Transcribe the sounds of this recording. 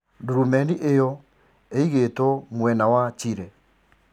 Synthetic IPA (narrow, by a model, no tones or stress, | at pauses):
duɾumɛniʔejɔ | eiɣetɔmwɛnawat͡ʃiɾɛ